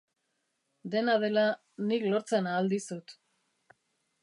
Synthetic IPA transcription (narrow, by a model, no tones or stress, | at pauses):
d̪e̞nað̞e̞la | niklo̞ɾt͡se̞naːld̪isut̪